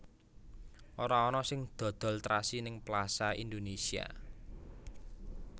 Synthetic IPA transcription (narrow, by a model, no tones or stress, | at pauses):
ʔoɾaɔnɔsɪŋd̪̥ɔ̤d̪̥ɔ̤lt̪ɾasinɪŋplasaind̪onesia̰